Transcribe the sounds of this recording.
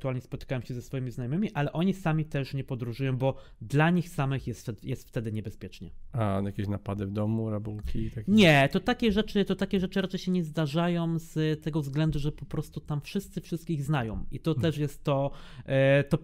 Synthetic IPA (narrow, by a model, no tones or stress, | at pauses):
t̪uwalɲɛspɔt̪ɘ̥kawɛmɕɛzɛsfɔjimʲiznajɔmɘmʲiʔalɛʔɔɲisamʲit̪ɛʂɲɛpɔd̪ɾuʐujɔ̃w̃bɔ | d̪laɲixsamɘxjɛst̪jɛst̪ft̪ɛd̪ɘɲɛbɛspʲjɛt͡ʂɲɛajakʲeɕnapad̪ɘvd̪ɔmuɾabuwkʲit̪akʲɲɛt̪ɔt̪akʲɛʐɛt͡ʂɘt̪ɔt̪akʲɛʐɛt͡ʂɨɾat͡ʂɛjɕɛɲɛzd̪aʐajɔ̃wzt̪ɛɡɔvzɡlɛnd̪uʐɛpɔpɾɔst̪ut̪amfʂɘst̪sɘfʂɘst̪kʲiɣznajɔ̃mʔit̪ɔt̪ɛʂjɛst̪ːɔ | t̪ɔ